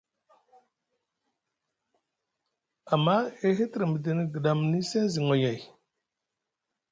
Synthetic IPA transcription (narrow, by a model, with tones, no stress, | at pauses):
a˨mːa˦e˦ɦi˦ti˨ɾi˨mi˨di˨ni˨ɡə˨ɗa˨m˨ni˦se˦zi˨ŋo˨ja˨j